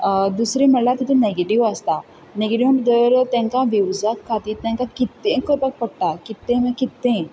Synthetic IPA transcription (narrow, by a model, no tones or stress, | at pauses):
d̪usɾiməɽlat̪it̪uneɡeʈiʋəst̪a | neɡeʈiəʈd̪əʋɾət̪jãŋkaʋiʋd͡zakkʰːat̪iːɾt̪jãŋkakit̪ːẽkəpək̚pəɽ̚ʈ̪akit̪ːẽmə̃kit̪ːẽ